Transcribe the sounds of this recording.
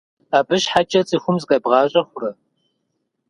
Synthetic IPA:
aːbɨʃħat͡ʃʼɐt͡sʼiːxʷʊmzɨkʼɐbʁɑːɕʼɐχʷʊrɐ

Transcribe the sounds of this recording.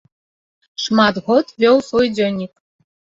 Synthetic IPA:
ʃmɑd̪ɣot̪βʲewsojdʲonʲik

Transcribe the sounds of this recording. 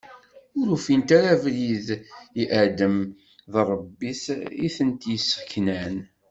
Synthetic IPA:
ʊɾufint̪aɾavliðiʔʕd̪əm | ðrˤːəbːisiθənt̪jisːə̥kːnæn

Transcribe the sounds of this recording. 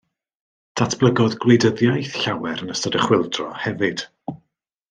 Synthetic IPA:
d̥ʰatʰb̥lˠəɡɔðɡlejdəðjajθɬawɛɾənəstɔdəχwɪlˠdrɔ̰hɛvɨd̥

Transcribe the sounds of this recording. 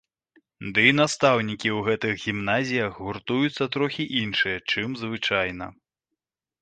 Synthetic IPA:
d̪ɨinast̪awnʲikʲiwɣɛt̪ɨɣɣʲimnazʲijɐxɣurt̪ujut̪sːɐt̪ɾɔxʲiʔinʂɨjɐt͡ʂɨmzvɨt͡ʂajnɐ̰

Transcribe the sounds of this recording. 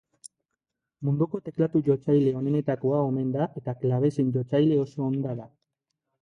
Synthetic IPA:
mund̪uko̞t̪e̞klat̪uʝo̞t͡sajle̞o̞ne̞ne̞t̪ako̞ao̞me̞nd̪aʔe̞t̪aklaβ̞e̞siɲd͡ʒo̞t͡sajle̞o̞so̞ːnd̪aða

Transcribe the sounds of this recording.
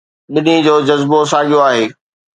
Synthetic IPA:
ɓɪnid͡ʑoːd͡ʑɐzbosaːɠijoaːɦeː

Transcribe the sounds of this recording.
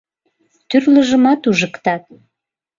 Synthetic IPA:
t̪yrləʒəmɑt̪uʒəkt̪ɑt̪̚

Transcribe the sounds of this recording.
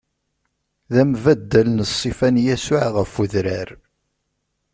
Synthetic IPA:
ðæmvæd̪ːælənsˤːifænjæsʊʕʁəfuðɾæɾ

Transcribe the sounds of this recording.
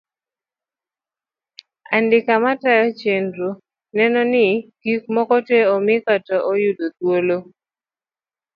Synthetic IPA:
andɪkamatajɔt͡ʃendɾu | nɛnɔnɪɡ̥ik̚mɔkɔtweɔmɪkatɔʔojudot̪wolo

